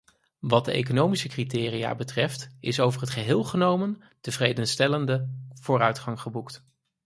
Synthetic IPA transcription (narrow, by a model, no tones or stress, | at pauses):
ʋɑd̚dəḛjk̬onowmisəkritɪːria̰ːbətrɛftɪsowvərɦətχəɦɪːlˠχənowmən | təvrejdənstɛləndəv̥ʊːrœɥtχɑŋχəbukt